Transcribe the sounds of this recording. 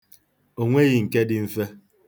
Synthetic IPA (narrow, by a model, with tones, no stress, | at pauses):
o˨ŋʷe˦ɣi˨ŋ̩˨ke˦dɪ˦m̩˦fe˦